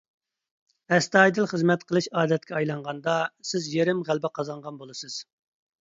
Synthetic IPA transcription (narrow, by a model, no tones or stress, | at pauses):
hɛst̪ɑːjd̪ɨlˠχəzmɛt̪qʰəlˠɨʃɑːd̪ɛt̪̚kʲɛɑjlˠɑɴʁɑnd̪ɑsɪzjeɾɪmʁælbɪqʰɑzɑɴʁɑnbolˠɨsɨz̥